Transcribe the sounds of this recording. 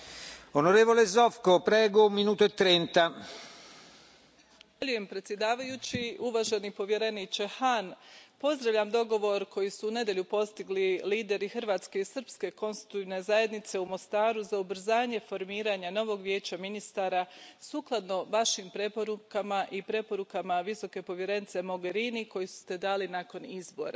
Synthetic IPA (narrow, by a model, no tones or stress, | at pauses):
onoɾeːvolezofkopɾɛːɡoumːinuːt̪oet̪ːɾɛnt̪a | aʎuje̞mpɾe̞t̪sʲje̞d̪aːʋajut͡ɕiuʋaːʒenipo̞ʋje̞ɾe̞nit͡ʃe̞xanpo̞zd̪ɾaʋʎʲamd̪o̞ɡo̞ʋo̞ɾkʰo̞jisuːne̞d̪je̞ʎupo̞st̪iɡliliːd̪e̞ɾixr̩ʋaːt̪ske̞isr̩pske̞ko̞nst̪i̥t̪uiːʋne̞zaje̞d̪nit̪se̞umo̞st̪aːɾuzaubɾ̩zaːɲe̞fo̞ɾmiːɾaɲano̞ʋo̞ɡʋje̞ːt͡ɕaminist̪aːɾasuːklˠad̪no̞ʋaʃiːmpɾe̞po̞ɾukamaʔipɾe̞po̞ɾukamaʋiso̞ke̞po̞ʋje̞ɾe̞nit̪se̞mo̞ɡe̞ɾiniko̞jisu̥st̪e̞d̪aːlinako̞nizbo̞̰ɾa